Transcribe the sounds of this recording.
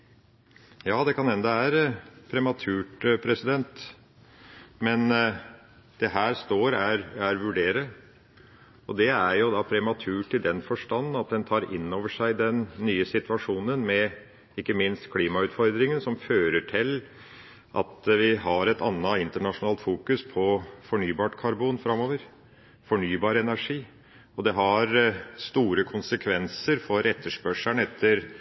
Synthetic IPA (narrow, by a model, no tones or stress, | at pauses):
jɑːd̪ɛkʰɑnɛnd̪ɑʋæːɾəpʰɾɛmɑt̪ʰʉːʈpʰɾɛsɪd̪ɛnt̪ | mɛn | d̪̥ɛɦæːɾst̪oːɾæɾæɾʋʉɖeːɾə | ɔd̪ɛæɾjʊd̪ɑːpʰɾɛmɑt̪ʰʉːʈʰɪld̪ɛnfɔʂʈɑnːn̩ɑt̪̚d̪ɛnt̪ʰɑːɾɪ̰nːoːʋəʂæɪd̪ɛnːyːəsɪt̪ʋɑʂuːnənmɛ | ɪkːəmɪnst̪kʰliːmɑʉːt̪fɔɾd̪ɾɪŋənsɔmføːɾəʈʰɪl | ʔɑ̰t̪ʋɪɦɑɾɛt̪ʰɑnːɑɪnt̪əɳɑʂʊnɑːlt̪fuːkʉspʰɔfɔɳyːbɑːʈkʰɑɾbuːnfɾɑmːoːʋəɾ | fɔɳyːbɑːɾəɛnæʂiː | ɔd̪ɛɦɑɾst̪uːɾəkʰʊnsəkʰʋɛnsəɾfɔɾɛt̪ːəʂpœʂæɳɛt̪ʰːəɾ